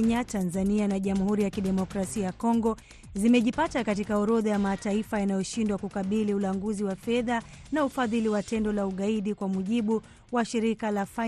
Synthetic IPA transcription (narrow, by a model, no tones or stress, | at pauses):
ɲatanzanianaʄam̩huɾijakiɗɛmɔkɾasiajakɔŋɡɔ | zimɛʄipatakatikaɔɾɔðajamataifajanajɔʃindwakukaɓiliulaŋɡuziwafɛðanaufaðiliwatɛndɔlauɠaiɗikwamuʄiɓu | waʃiɾikalafa